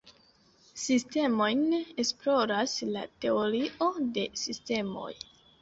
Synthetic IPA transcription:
siste̞mo̞jnesplo̞ɾasla̰te̞o̞ɾiʔo̞de̞siste̞mo̞̰j

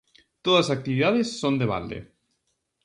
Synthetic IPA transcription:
t̪oðɐsak̚t̪iβiðaðesːond̪eβa̰ld̪ḛ

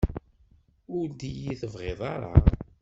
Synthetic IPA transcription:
ʊɾd̪ijiθəvʁeðˤɑɾˤɑ̰

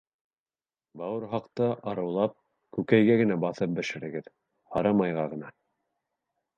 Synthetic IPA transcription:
bɑwɤɾɦɑqt̪ɤʔɑɾɤ̆wlˠɑp̚ | kʉkæjɡæɡɘ̆næbɑθɤp̚bɘ̆ʃɘ̆ɾɘ̆ɡɘð | hɑ̰ɾɑmɑjʁɑʁɤ̆nɑ

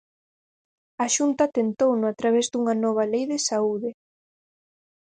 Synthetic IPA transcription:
aʃunt̪ɐt̪ent̪ownʊat̪ɾaβɛzd̪uŋɐnɔβ̞ɐlejðɪsauðɪ

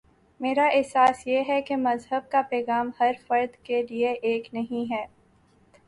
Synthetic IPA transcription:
meːɾaʔɪɦsaːsjeɦɛkemɐzɦəb̚kapɛːɣaːmhɐɾfɐɾd̪kelieʔeːknɐɦĩɦɛː

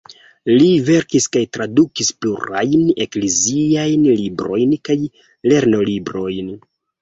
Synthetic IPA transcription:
live̞ɾkiskajtɾadukispluɾa̰jne̞̰kleziajnlibɾo̞jnkaj | le̞ɾno̞libɾo̞jn

